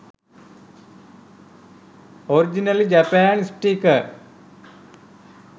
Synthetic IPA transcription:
oɾid͡ʑinɐlid͡ʑapaːnisʈiːkə

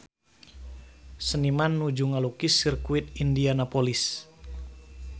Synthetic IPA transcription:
sənimanːud͡ʒuŋalukisirkuɪt̪̚indianapolis

